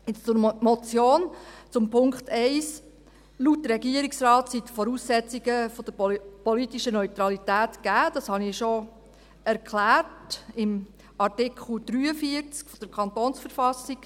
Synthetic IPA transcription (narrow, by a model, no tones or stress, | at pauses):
ɪt͡st͡sʊɾmɔt͡sjoːnt͡sʊmpʰʊŋkχtɛɪs | luːt̚dəɾɛɡiəɾiksɾɑːtsitfɔɾuːsːɛt͡siɡəfod̥əpɔlitiʃənœʏt̪ɾɑlitæːtɡ̥æːd̥ɑshɑniʃo | ɛɾkʰχlæːɾtɪm | ɑrtɪkʰχl̩d̥̪ɾyːəfiəɾt͡skfɔd̥əɾkʰɑnt̪oːnsfəɾfɑsiɡ̥